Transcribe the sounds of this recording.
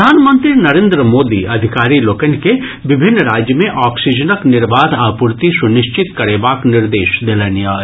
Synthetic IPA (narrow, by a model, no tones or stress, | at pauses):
aːnmə̃nt̪ɾinɐɾẽːnd̪ɾəmoːd̪ḭʔɐd̪ʱɪkaːɾiloːkənke | ʋɪbʱɪnːɾaːd͡ʒjəmẽʔɔːksid͡ʒənəknɪɾbaːd̪ʱaːpʊɾt̪isʊnɪʃt͡ʃɪt̪kɐɾebaːknɪɾd̪eːʃd̪ɪlənijaː